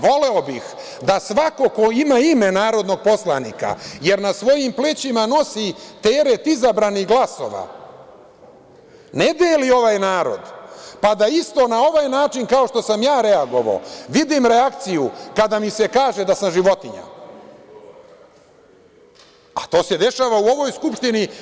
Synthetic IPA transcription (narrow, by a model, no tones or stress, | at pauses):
ʋo̞le̞o̞bix | d̪asʋako̞ko̞imaime̞naːɾo̞d̪no̞ɡ̚po̞sla̰niːka̰je̞ɾnasʋo̞jimplet͡ɕimano̞sit̪e̞ːɾet̪izabɾaniɦɡlˠaso̞̰ʋa̰ | ned̪eːlio̞ʋajnaːɾo̞̰d̪pad̪aist̪o̞nao̞ʋajnaːt͡ʃinkao̞ʃt̪o̞samjaːɾeaɡo̞ʋa̰o̰ʋid̪imɾe̞akt̪sijukad̪amise̞kaːʒe̞d̪asamʒiʋo̞t̪iɲa̰ | at̪o̞ːse̞d̪e̞ʃaːʋauo̞ʋo̞jskupʃt̪ini